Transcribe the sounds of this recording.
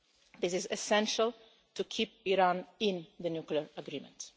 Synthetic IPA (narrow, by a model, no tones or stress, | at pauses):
ðɪsɪzɛsɛ̃nʃəlˠ | tʰukʰip̚iɾãnɪ̃nðənjukliəɹəɡɾĩːmɛ̰̃nt